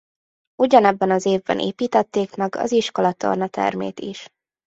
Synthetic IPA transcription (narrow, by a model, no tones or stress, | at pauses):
uɟɒnɛbːɛnɒzeːvbɛ̰nʔḛːpiːt̪ɛt̪ːeːkmɛɡɒ̰ziʃkolɒt̪o̞̰rnɒt̪ɛ̰rmḛːt̪iʃ